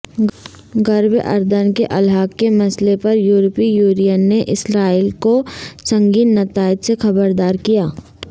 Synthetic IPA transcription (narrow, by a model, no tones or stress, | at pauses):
ɡəɾbʔɐ̰ɾd̪ənkeʔɐlɦaːkːemɐslepɐɾjuːɾpijuːɾijənːeʔɪsɾaːiːlkosɐ̃ŋɡiːnːɐt̪aːɪd̪sexɐbəɾd̪aːɾkijaː